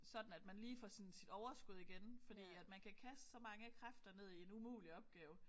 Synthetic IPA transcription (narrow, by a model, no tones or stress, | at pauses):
sɒ̽d̥n̩æd̥mænliːfɒ̰sinsid̥ɒʊɐsɡ̥uðˠiɡ̥enfɒ̽d̥ḭːæd̥mænkʰækʰæsd̥sɒ̽mɑ̈ŋəkʰʁafd̥ɐne̝ð̞̰ˠie̝numṵːliɒ̽b̥̚ɡ̥ɛːʊ